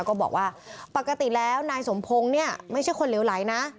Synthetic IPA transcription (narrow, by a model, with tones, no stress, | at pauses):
wkɔː˥˩bɔ̰ː˨˩k̚waː˥˩pa˨˩kːa˧t̪i˨˩lɛː˦˥wnaː˧jso˩˦mpʰo˧ŋni˥˩ɐma˥˩jt͡ɕʰa˥˩jkʰo˧nle˩˦wla˩˦jna˦˥